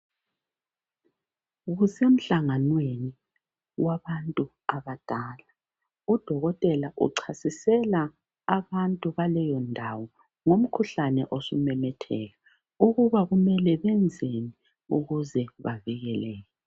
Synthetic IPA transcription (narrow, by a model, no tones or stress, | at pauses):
ɣusem̩ɬaŋanweni | waβantʼu | aβad̥ʱaːla | ud̥ʱɔɣɔtʼɛlaʔṵǀʰasisɛlaː | βantʼuβalɛjɔndʱawɔ | ŋom̩kʰuɬanɛʔosumɛmɛtʰɛɣa | uɣuβaɣumɛlɛβɛnd͡zʱeni | ṵɣuzɛβa̰viɣɛlɛːjɛ